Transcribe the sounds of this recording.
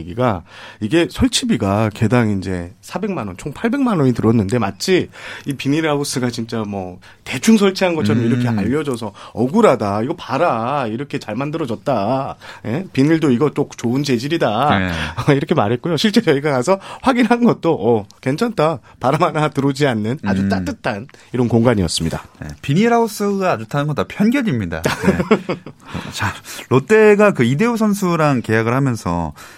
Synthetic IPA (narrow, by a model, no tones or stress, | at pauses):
eɡiɡaiɡe̞sʰʌɭt͡ɕʰibiɡake̞daŋind͡ʑe̞̰sʰabe̞ŋmanʌnt͡ɕʰoŋpʰaɭbe̞ŋmanʌɲitɯɾʌnːɯnde̞mat͡ɕʰiipiniɾaus͈ɯɡat͡ɕint͡ɕ͈amwʌ | te̞t͡ɕʰuŋs̬ʰʌɭt͡ɕʰiɦanɡʌt͡ɕʰʌɾʌmiɾʌkʰe̞aʎːʌd͡ʑʌs̬ʰʌʌɡuɾadaiɡʌpaɾaiɾʌkʰe̞t͡ɕaɭmandɯɾʌd͡ʑʌt̚t͈aje̞piniɭdoiɡʌt͈okt͡ɕoɯnt͡ɕe̞d͡ʑiɾidaeiɾʌkʰemaɾɦe̞t̚k͈ujoɕʰiɭt͡ɕ͈e̞jʌiɡakasʰʌɸwaɡinɦanɯnɡʌt̚t͈oʔʌkwe̞nt͡ɕʰant͈a | paɾamanatɯɾod͡ʑianːɯnad͡ʑut͈at͈ɯtʰaniɾʌnkoŋɡaɲiʌs͈ɯmɲidanḛpiniɾaus͈ɯɡad͡ʑotʰanɯnŋɡʌtapʰjʌnɡjʌɲimɲida̰e | t͡ɕalot͈e̞ɡakɯide̞osʰʌnsʰuɾaŋke̞jaɡɯɭhamjʌnsʰʌ̰